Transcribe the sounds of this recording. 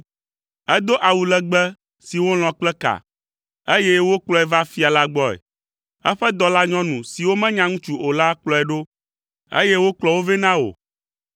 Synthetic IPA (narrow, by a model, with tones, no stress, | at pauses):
ɛ˦d̪o˦ʔa˨wu˨lɛ˦ɡ͡bɛ˦ | si˨wo˦l̃ɔ̃˨k͡plɛ˦ka̰˨ | e˦jɛ˦wo˦k͡plɔ˦ɛ˨va˦fi˦a˨la˦ɡ͡bɔ˦ɛ̰˨ | ɛ˦ɸɛ˦d̪ɔ˦la˦ɲɔ̃˦nũ˨si˨wo˦mɛ̃˦ɲã˦ŋũ˦t͡ʃu˨o˨la˦k͡plɔ˨ɛ˨ɖo˦ | ḛ˦jɛ˦wo˦k͡plɔ˨wo˦vɛ˦nã˦o̰˨